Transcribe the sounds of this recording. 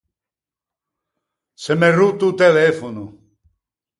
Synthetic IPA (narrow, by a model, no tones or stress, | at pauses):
semerut̪ut̪elefonu